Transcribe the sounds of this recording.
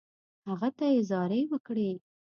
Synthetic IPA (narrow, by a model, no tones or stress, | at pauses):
haɣat̪ajezɑɾewəkɽe